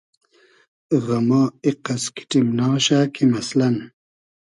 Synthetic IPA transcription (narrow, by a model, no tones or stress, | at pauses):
ɣamɑːiqaski̥ʈimnaːɕaːkʰimɐslan